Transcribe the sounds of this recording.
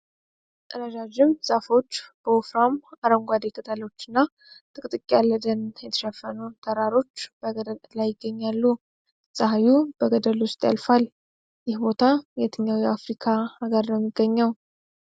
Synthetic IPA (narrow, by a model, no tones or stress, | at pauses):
ɨɾəd͡ʒad͡ʒɪmz̥afo̞t͡ʃːb̥əwufɾamaɾəŋɡʷad̪ekʰət̪ʰalo̞t͡ʃːɪnːa | t̪ʼɨkʼt̪ʼɨkʼːjalːəd̪ənjɛt̪ʰə̥ʃəfːənut̪ʰəɾaɾo̞t͡ʃːb̥əɡəd̪əllajːɪɡːəɲːalːu | sʼəɦajubəɡəd̪əlwʊst̪ʼja̰lfal | jɪhbo̞t̪ʰajɛt̪ʰɨɲːawjɛafɾikʰaaɡəɾnəmːiɡːəɲːəw